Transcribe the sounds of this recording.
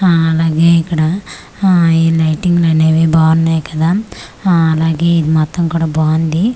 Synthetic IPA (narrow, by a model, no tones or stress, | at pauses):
ɐlaːɡeːikɐɽɐ | ilɐjʈiŋɡlɐneʋibaːɾnɐjkɐd̪aː | laːɡeːid̪imɐt̪ːɐŋkuɽɐbaːnd̪i